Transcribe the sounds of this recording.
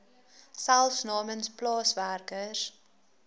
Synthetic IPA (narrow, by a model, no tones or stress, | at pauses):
sælˠfsnɑːmənsplɑːsværkər